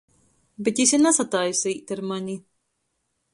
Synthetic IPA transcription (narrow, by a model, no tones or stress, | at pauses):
bet̪isʲinasat̪ajsiːt̪ʲaɾmaɲi